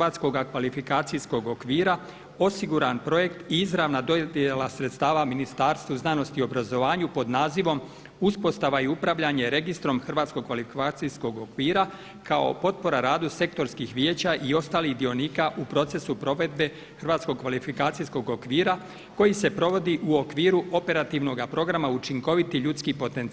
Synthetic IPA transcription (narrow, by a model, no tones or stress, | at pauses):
aːt̪sko̞ɡakʋalifikaːt̪sijsko̞ɡo̞kʋiːɾa | o̞siɡuɾanpɾo̞je̞kt̪iizɾaʋnad̪od̪jelasɾet̪st̪aːʋaminist̪aːɾst̪ʋuznaːno̞st̪io̞bɾazo̞ʋaːɲupo̞d̪naːziʋo̞m | uspo̞st̪aʋaiupɾaʋʎaɲe̞ɾe̞ɡist̪ɾo̞mxr̩ʋaːt̪skoɡkʋalifiat̪sisko̞ɡo̞kʋiːɾa | kao̞̰po̞t̪̚po̞ɾaɾaːd̪use̞k̚t̪o̞ɾskixʋjeːt͡ɕaʔio̞st̪aːlihd̪io̞niːkaʔupɾo̞t̪se̞supɾo̞ʋe̞d̪̚be̞ | xrʋaːt̪sko̞ɡ̚kʋalifikaːt̪sijskoɡo̞kʋiːɾa | ko̞jise̞pɾo̞ʋo̞d̪iʔuo̞kʋiːɾuʔo̞pe̞ɾat̪iʋno̞ɡapɾo̞ɡɾamaut͡ʃiŋko̞ʋit̪iʎut̪skipo̞t̪ent̪